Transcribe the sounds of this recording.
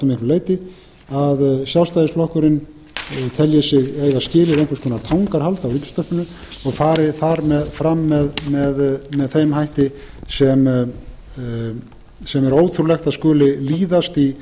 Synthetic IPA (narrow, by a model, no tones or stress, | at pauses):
t̪meŋkɾleːjt̪ɪ | aðsjawst̪ajðɪslɔhkœɾɪn | t̪ʰɛljɪsɪɣejɣascɪːlɪðejŋkvɛɾskʰɔːnat̪ʰawŋkaɾ̥halt̪awɾiːcst̪œhpɪnʏ | ɔɣfaːɾɪθaɾmɛðfɾamːɛðmɛðmɛðθejmɦajht̪ɪ | sɛm | sɛmɛɾoːwt̪ʰɾulɛxt̪aðskœːlɪliːðast̪i